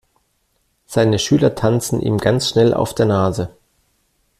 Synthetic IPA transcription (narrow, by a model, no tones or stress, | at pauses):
z̥aɪnəʃyːlɐtʰant͡sn̩ʔḭːmɡant͡sʃnɛlʔa̰ʊfd̥eːɐnaːzə